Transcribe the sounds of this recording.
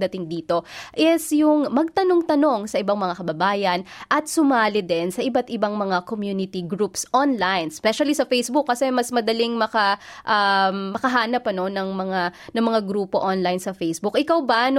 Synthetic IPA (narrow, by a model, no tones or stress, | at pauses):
d̪ɐt̪ɪŋd̪iːt̪o̞ʔɛsjʊŋmɐɡ̚t̪ɐno̞ŋt̪ɐno̞ŋsɐʔɪbaŋmɐŋakɐbɐbaːjɐnʔɐt̪̚sʊmaːlɪd̪ɛnsɐʔɪbɐt̪ɪbaŋmɐŋakomjuːnɪt̪iɡɾupsʔonlajnspɛʃɐlisɐfɛjsbʊkːɐsɛmɐsmɐd̪ɐliŋmɐkaʔamːɐkɐɦaːnɐpɐno̞nɐŋmɐŋanɐŋmɐŋaɡɾuːpo̞ʔonlajnsɐfejsbʊkʔɪkawban